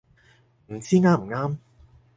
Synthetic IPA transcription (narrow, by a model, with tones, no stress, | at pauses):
m̩˨˩t͡siː˥ŋaː˥m̩˨˩ŋaː˥m